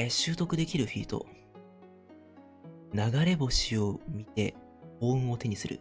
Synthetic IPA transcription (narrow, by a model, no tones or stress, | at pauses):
ɕɨːt̪o̞kɯ̟d̪e̞kʲiɾɯ̟ɸʲiːt̪o̞̰ | naɡaɾe̞bo̞ɕio̞mʲit̪e̞ | oːɯ̟̃o̞t̪e̞ɲ̟isɨɾɯ̰